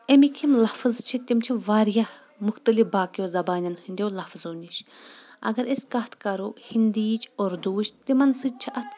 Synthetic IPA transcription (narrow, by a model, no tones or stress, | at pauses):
emikʰimlɐfzt͡ʃʰit̪ʲimt͡ʃʰiʋaːɾjɐ | mʊxt̪ɐlifbaːkijozɐbaːnʲɐnhɨnd̪ʲewlɐfzoːnʲiʃ | ɐ̰ɡɐɾeskɐt̪ʰkɐɾuhind̪iːt͡ʃʰoɾd̪uːt͡ʃt̪imɐnsɨd͡ʒt͡ʃʰiʔɐt̪ʰ